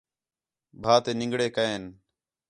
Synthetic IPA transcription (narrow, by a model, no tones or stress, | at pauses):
bʱaːt̪eːnɪ̃ŋɡɽeːkəeːn